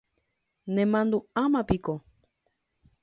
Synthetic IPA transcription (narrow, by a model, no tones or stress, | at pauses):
nẽmãnd̪uamãpiko